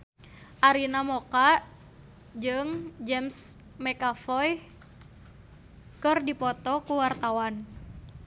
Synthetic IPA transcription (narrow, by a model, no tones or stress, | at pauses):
ʔaɾinamokaʔ | d͡ʒɨŋd͡ʒɛms | mɛkafɔj | kɨrdipɔt̪ɔkuwart̪awan